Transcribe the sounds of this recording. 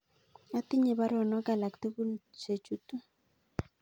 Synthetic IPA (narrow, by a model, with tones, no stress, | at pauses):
a˦t̪i˦ɲe˨βa˦ɾɔ˨nɔ˦ka˨la˨kt̪e˦βu˦˨se˨t͡ʃu˦tu˦